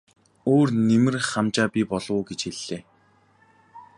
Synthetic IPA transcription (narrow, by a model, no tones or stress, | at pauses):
oːrnemɘ̆rχamt͡ɕaːpʲipɔɮʊːɡet͡ɕxeɮːeː